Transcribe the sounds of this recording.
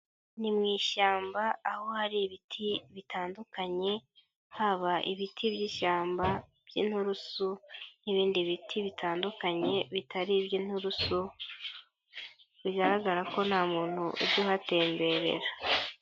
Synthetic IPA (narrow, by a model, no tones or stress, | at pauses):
nimŋiːʃaːmbaːho̞haɾiβitʰiβitaːndukaɲe̞ | haβaʔiβitʰibjiːʃaːmba | b̥jḭːn̥huɾusuniβiːndiβitʰiβitaːndukaɲe̞βitʰaɾibjiːn̥huɾusu | βiɡaɾaɡaɾako̞nhamuːn̥huʔṵbɟuhate̞ːmbe̞ɾe̞̰ɾa